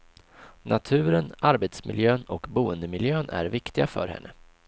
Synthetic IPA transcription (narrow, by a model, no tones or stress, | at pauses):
nʔat̪ʰʉ̟ːɾənaɾbet̪smɪ̰ljøːnɔkbuːənd̪əmɪljøːnʔæ̰ɾvɪkt̪ɪɡafœ̰ɾhɛ̰nːə